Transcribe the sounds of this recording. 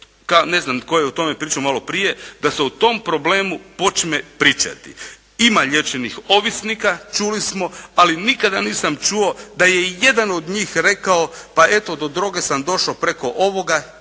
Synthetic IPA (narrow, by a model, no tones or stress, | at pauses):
kaone̞znamko̞jeut̪o̞me̞pɾiːt͡ʃamalo̞pɾije̞d̪aseut̪o̞mpɾo̞ble̞ːmupo̞t͡ʃme̞pɾiːt͡ʃa̰t̪ḭ | imaʎe̞t͡ʃenixo̞ʋisnikat͡ʃulismo̞alinikad̪aniːsamt͡ʃuo̞d̪ajeje̞d̪ano̞d̪ɲiːxɾe̞kao̞pae̞t̪o̞d̪o̞d̪ɾo̞ːɡe̞samd̪o̞ʃapɾe̞ko̞ʔo̞ʋo̞ɡa